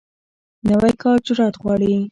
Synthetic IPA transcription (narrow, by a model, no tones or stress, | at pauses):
nawajkɑɾt͡ʃʊɾɑt̪ɣwɑɽi